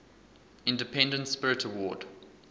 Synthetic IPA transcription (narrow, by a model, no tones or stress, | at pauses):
ɪ̃ndəpʰɛ̃ndə̃ntspɪɹɪtʰəwɔːd̥